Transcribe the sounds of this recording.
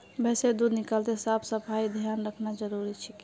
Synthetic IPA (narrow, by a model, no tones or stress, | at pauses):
bɛsed̪ud̪nɪkalt̪esabʰsəpʰaid̪ʱjanɾəkʰnad͡ʒəɾuɾit͡ʃʰik